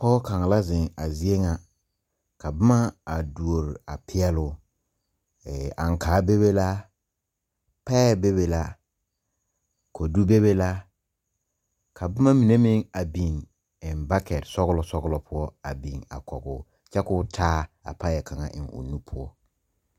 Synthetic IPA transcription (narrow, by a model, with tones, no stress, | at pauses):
kɔ˦ka˨ŋa˨la˦zɪ˨ŋa˨zɪ˦e˦ŋa˨ | ka˨ba˦ma˦a˨du˨o˨ɾa˨pʰɪ˦ɛ˦lʊ˨ | ɛ˨a̰˨ŋkaː˨˦be˦be˦la˦ | pɛ˦be˦βe˨la˦ | ko˨du˦be˦βe˦la˦ | kʰa˨ba˦ma˦mi˨ne˦mɪ˦ŋa˨bi˨ŋ | ɪ˨nba˦kɛ˨ɾsɔ˦ɣʊ˦lɔ˨sɔ˦ɣʊ˦lɔ˨pʰʊ˦ɔ˦a̰˨bi˨ŋa̰˨kɔ̰˨ɡʊ˦ | t͡ʃɛ˦kʊː˦tʰaː˦a̰˨pa˦jɛ˨kʰa˨ŋa̰˨ʔɪ̰˨ŋʊ̰˨nu˦pʰʊ˦ɔ˦